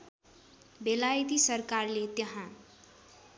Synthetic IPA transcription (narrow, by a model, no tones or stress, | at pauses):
belajt̪isʌrkarlet̪jʌɦã